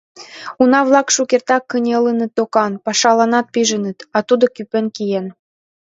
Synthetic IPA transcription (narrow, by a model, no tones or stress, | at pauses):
unɑβlɑkʃukert̪ɑkːə̆nʲələ̆nə̆t̪ːokɑnpɑʃɑlɑnɑt̪̚piʒə̆nə̆t̪ɑt̪ud̪ŏkypĕnkijen